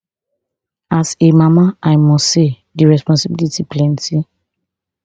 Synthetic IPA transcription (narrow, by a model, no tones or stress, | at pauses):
asemamaaɪmɔse | diɹɛspɔ̃nsibilitiplɛ̃nti